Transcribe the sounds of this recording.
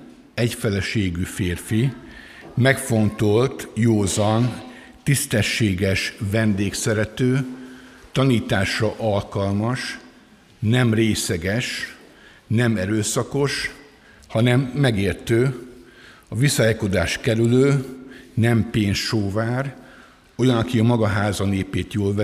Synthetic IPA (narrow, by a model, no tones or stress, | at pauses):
ɛcfɛlɛʃeːɡyfeːrfi | mɛkfo̞nt̪o̞lt̪joːzɒn | t̪ist̪ɛʃːeːɡɛʃvɛnd̪eːksɛɾɛt̪øː | t̪ɒniːt̪aːʃrɒʔɒlkɒlmɒʃ | nɛmreːsɛɡɛʃ | nɛmɛɾøːsɒko̞ʃ | hɒnɛmːɛɡeːrt̪øː | ɒvisɒɛko̞d̪aːʃkɛɾyløːnɛmpeːnsʃoːvaːr | o̞jɒnɒkiɒmɒɡɒɦaːzɒneːpeːt̪joːlvɛ